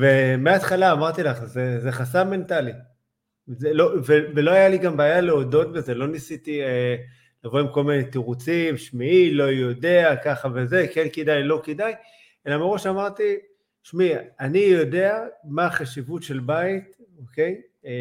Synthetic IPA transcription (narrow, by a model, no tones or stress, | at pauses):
vemeat̪χalaːmaʁt̪ilaχzeze̞χasame̞nt̪ali | zelovevelo̞ajaliɡambeajaleo̞do̞t̪̚beze̞lo̞nisit̪ie | lavo̞imko̞lminet̪iʁut͡simʃmiilo̞jo̞de̞akaχave̞ze̞kenkedajlo̞kedaj | e̞lameʁo̞ʃamaʁt̪i | ʃmianijo̞de̞amaːχaʃivutʃe̞lbait̪oke̞j